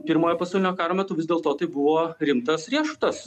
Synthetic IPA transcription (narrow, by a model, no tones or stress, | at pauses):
pʲɪɾmoːjɛpɐsɑʊlʲɪnʲoːkɑːɾoːmʲɛt̪ʊːʋʲɪzd̪ʲeːlˠt̪oːt̪ɐɪbʊʋoːɾʲɪmt̪ɐsɾʲiɛʃʊ̥t̪ɐs